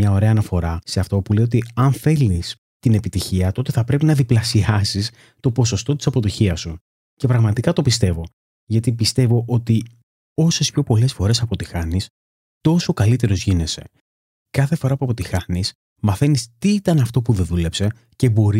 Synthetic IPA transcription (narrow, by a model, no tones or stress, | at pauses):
mɲɐo̞ɾe̞ɐːnɐfo̞ɾɐseɐft̪o̞pule̞jot̪iɐnθe̞lis | t̪ine̞pit̪içiɐt̪o̞t̪e̞θɐpɾe̞pinɐðiplɐsiɐsis | t̪o̞po̞so̞st̪o̞t̪i̥sɐpo̞t̪içiɐsu | ce̞pɾɐɣmɐt̪ikɐt̪o̞pist̪e̞vo̞ | ʝɐt̪ipist̪e̞vo̞ʔo̞t̪i | o̞se̞spço̞po̞le̞sfo̞ɾe̞sɐpo̞t̪ixɐnis | t̪o̞so̞kɐlit̪e̞ɾo̞zʝine̞se̞̰ | kɐθe̞fo̞ɾɐpuɐpo̞t̪ixɐnis | mɐθe̞nist̪iit̪ɐnɐft̪o̞puðe̞ðule̞pse̞ | ce̞bo̞ɾi